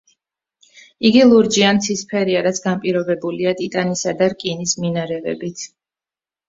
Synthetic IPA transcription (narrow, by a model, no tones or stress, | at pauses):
iɡilˠuɾd͡ʒiant̪ʰispʰɛɾiaɾat̪sʰɡampʼiɾɔbɛbuliat̪ʼit̪ʼanisad̪aɾkʼinisminaɾɛvɛ̰bit̪ʰ